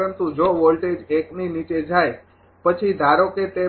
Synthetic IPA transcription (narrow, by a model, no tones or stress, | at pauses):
ənt̪ũd͡ʒoʋolʈed͡ʒekninit͡ʃed͡ʒaj | pət͡ʃʰid̪ʱaɾoket̪e